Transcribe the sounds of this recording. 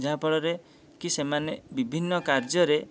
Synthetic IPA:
d͡ʒʱapɔɭɔɾe | kisemanebibʱinːɔkaɾd͡ʒɔɾe

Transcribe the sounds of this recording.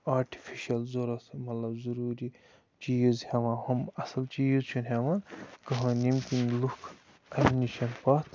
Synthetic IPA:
aːɾʈʰi̥fʰiʃɐlzoɾɐt̪ʰmɐt̪lɐbzuɾuːɾi | t͡ʃiːzheʋãːhɐmɐsɐlt͡ʃiːzt͡ʃʰunɦeʋãːnkɐɦãːnimkinlukʰ | ɐiniʃʰɐnpaːt̪ʰ

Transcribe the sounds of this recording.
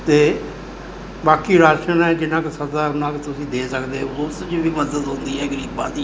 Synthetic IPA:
t̪eː | baːkiːɾaːʃənɛːd͡ʒɪnãːksəd̪aːʊnãːkt̪ʊsĩːd̪eːsəkd̪eːʊsd͡ʒoʋiːməzət̪ɦʊ̃nd̪iːɛːɡɾiːkbã̰ːd̪iː

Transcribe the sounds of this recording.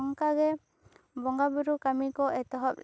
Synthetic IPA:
ŋkaɡɛ | bɔŋɡabuɾukamikɔɛt̪ɔɦɔp̚

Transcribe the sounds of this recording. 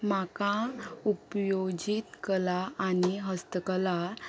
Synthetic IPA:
makãupjod͡ʑit̪kəlaaniɦəst̪əkəla

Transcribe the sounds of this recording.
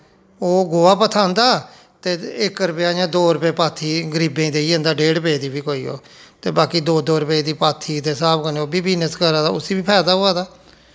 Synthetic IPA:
oːɡoːaːpət̪ʰãːnd̪aː | t̪eːɪkːɾəpejaːd͡ʒãːd̪oːɾəpeːpaːt̪ʰiːɡəɾiːbẽːd̪eːiːẽːnd̪aːɖeːɽpeːd̪iːbiːkoːḭːo̰ːt̪eːbaːkiːd̪oːd̪oːɾəped̪iːpaːt̪ʰiːt̪eːsaːpkəneoːbiːbiːnəskəɾaːd̪aːʊsiːbiːpʰɛːd̪aːɦʊaːd̪aː

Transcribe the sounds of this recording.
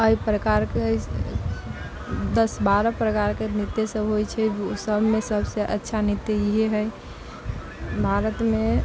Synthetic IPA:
əipɾəkaɾki | d̪əsbaɾəpɾəkaɾkenit̪ːesəbɦojt͡ʃʰɛd͡ʒosəbʱmesəbʱseʔətːʃʰanit̪jeiɦeɦəj | bʱaɾət̪me

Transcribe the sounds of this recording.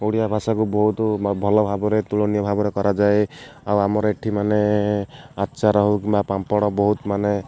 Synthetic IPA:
oɽijabʱasakubɔɦut̪bʱɔlɔbʱabɔɾet̪uɭɔnijɔbʱabɔɾekɔɾad͡ʒaeawamɔɾɔeʈʰimane | atːʃaɾɔɦukibapampɔɽ̃ɔbɔɦut̪mane

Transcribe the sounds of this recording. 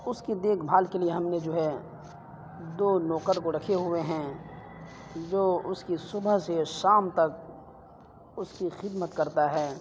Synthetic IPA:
ʊskid̪eːkʰbʱaːlkelieɦɐmned͡ʒoːɦɛ | d̪oːnɔːqəɾkoɾɐkʰeɦʊeɦɛ̃ | d͡ʒoːʊskisʊbəɦseʃaːmt̪ɐk | ʊskixɪd̪mət̪kɐɾt̪aɦɛː

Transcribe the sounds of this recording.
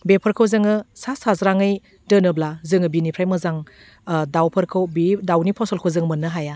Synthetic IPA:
bepʰɯɾkʰɯwzɯŋɯsasazɾaŋɯj | dɯnɯblazɯŋɯbinipʰɾajmɐzaŋ | dawpʰɐɾkʰɯwbidawnipʰɔsɔlkʰɯwzɯŋmɯnːɯɦaja

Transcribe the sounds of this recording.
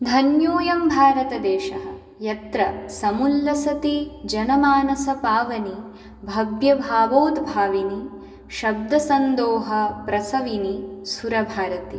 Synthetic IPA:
d̪ʱɐnjoːjɐmbʱaːɾɐt̪ɐd̪eːʃɐɦɐ̆ | jɐt̪ɾɐsɐmulːɐsɐt̪id͡ʒɐnɐmaːnɐsɐpaːʋɐni | bʱɐɡjɐbʱaːʋoːd̪bʱaːʋini | ʃɐb̚d̪ʱɐsɐnd̪oːɦɐpɾɐsɐʋinisuɾɐbʱaːɾɐt̪i

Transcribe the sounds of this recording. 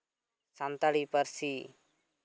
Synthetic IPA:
sant̪aɽipəɾsi

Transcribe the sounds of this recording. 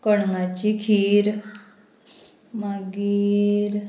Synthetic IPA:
kəɳŋat͡ɕikʰiːɾ | maɡiɾ

